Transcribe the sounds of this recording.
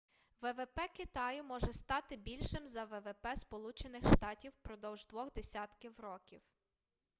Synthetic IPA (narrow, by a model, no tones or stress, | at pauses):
ʋɛʋɛpɛkɪt̪ɑjʊmɔʒɛst̪ɑt̪ɪbʲilʲʃɪmzɐʋɛʋɛpɛspɔlˠut͡ʃenɪxʃt̪ɑtʲiwpɾɔd̪ɔwʒd̪ʋɔɣd̪esʲɑt̪kɪwɾɔkʲiw